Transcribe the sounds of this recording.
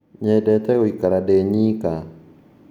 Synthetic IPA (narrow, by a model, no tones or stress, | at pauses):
ɲɛdɛt̪ɛɔikaɾaɗɛɲika